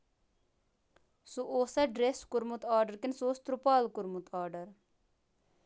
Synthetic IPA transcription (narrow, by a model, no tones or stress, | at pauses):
suʔoːsɐɖɾeskʊɾmut̪aːɾɖəɾkɪnsoːst̪ɾupaːlkʊɾmut̪ʰaːɾɖəɾ